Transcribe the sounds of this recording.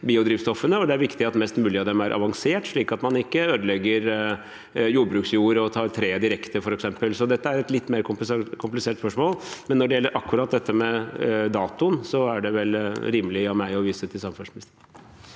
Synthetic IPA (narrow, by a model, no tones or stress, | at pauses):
biːʊd̪ɾiːʋst̪ɔfːənəɔd̪ɛæɾʋɪkt̪ɪɑt̪mɛst̪mʉːlɪɑd̪ɛmæɾʔɑ̰ʋɑŋseːʈʂɭiːkɑt̪mɑnɪkːəøːd̪əlɛɡːəɾ | juːɖbɾʉːksjuːɾɔt̪ʰɑːɾt̪ʰɾeːd̪ɪɾɛkt̪əfɔɾɛksɛmpəlsɔd̪ɛt̪ːəæɾɛt̪lɪt̪ːmeːɾkʰʊkʰʊmplɪseːʈspœʂmoːlmɛnːɔɖɛjɛlːəɾʔɑkːʉɾɑːt̪̚d̪ɛt̪ːəmɛd̪ɑːt̪ʊnsɔæɖɛʋɛlɾiːmlɪɑmæɪɔʋiːsət̪ʰɪlsɑməfʉnsmɪnɪst̪ə